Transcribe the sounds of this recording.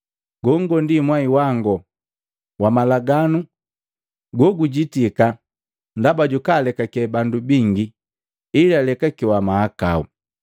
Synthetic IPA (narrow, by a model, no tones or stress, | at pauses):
ɡɔŋɡɔndimwaiwaŋɡɔ | wamalaɡanu | ɡɔɡuɟitika | ndabaɟukaːlɛkakɛbandubiŋɡi | ilalɛkakiwamahakau